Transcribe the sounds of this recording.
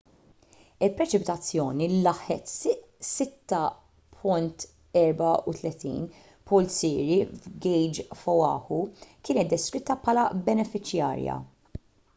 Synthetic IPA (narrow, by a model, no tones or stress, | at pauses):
ɪlpɾɛt͡ʃɪpɪt̪ɐt͡sːjɔːnilɐħɛt̪ | sɪt̪ːɐ | pʰʊnt̪ | ɛɾbɐut̪lɛt̪ḭːn | pɔlsɪːɾivɡɛjd͡ʒfɔwɐ̰ːhukɪːnɛt̪̚d̪ːɛskɾɪt̪ːɐpʰɐːlɐbɛnɛfɪt͡ʃjɐ̰ːɾjɐ̰